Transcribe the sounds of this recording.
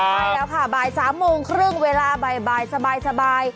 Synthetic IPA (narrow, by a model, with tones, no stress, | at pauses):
baː˧˥˩jlɛː˦˥wkʰa˥˩baː˧jsaː˩˦mːoː˧ŋkʰɾɯ˥˩ŋweː˧laː˧ba˧˩jbaː˧jsa˧baː˧jsa˧baː˧j